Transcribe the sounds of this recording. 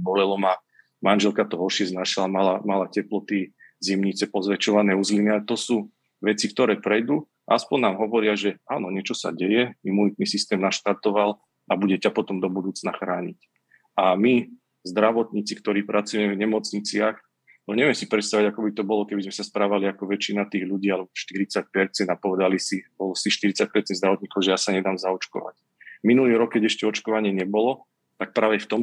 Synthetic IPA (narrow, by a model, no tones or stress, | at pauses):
bɔlɛlɔma | manʒɛlkat̪ɔɦɔɾʃɪɛznaːʃilamalamalacɛplɔt̪i | zimɲit͡sɛpɔzʋɛt͡ʃɔʋanɛːuzliniaɛt̪ɔsuː | ʋɛt͡sik̚t̪ɔɾɛːpɾɛjd̪u | a̰aspɔɲnnaːmɦɔʋɔɾɪaʒɛaːnɔɲɛt͡ʃɔsa̰ɟɛjɛimunit̪̚nisist̪ɛːmnaʃt̪aɾt̪ɔʋal | ʔabuɟɛcapɔt̪ɔmd̪ɔbud̪uːt͡snaxɾaːɲḭc | ami | zd̪ɾaʋɔt̪ɲit͡sikt̪ɔɾiːpɾʔat͡sujɛmɛvɲɛmɔt͡sɲit͡sɪax | ɲɛʋɛmsipɾɛt̪st̪aʋiɟakɔbit̪ɔbɔlɔkɛbizmɛsaspɾaːʋaliakɔʋɛt͡ʃinat̪iːɣʎuɟiːalɛbɔʃt̪iɾit͡sac̚pɛɾt͡sɛnd̪apɔʋɛd̪alisibɔlɔsiʃt̪iɾit͡sac̚pɛɾt͡sɛnzd̪ɾaʋɔt̪ɲiːkɔʊʒɛjaːsaɲɛd̪aːmzaɔt͡ʃkɔ̰ʋa̰c | minuliːɾɔkːɛɟɛʃcɛɔt͡ʃkɔʋaɲɪɛɲɛbɔlɔ | t̪ak̚pɾaːʋɛft̪ɔm